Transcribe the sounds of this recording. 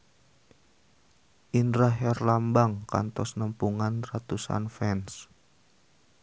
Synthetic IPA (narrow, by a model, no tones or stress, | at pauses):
ʔinɾaɦɛrlambaŋka̰nt̪ɔsnəmpuŋanrat̪usa̰nfɛns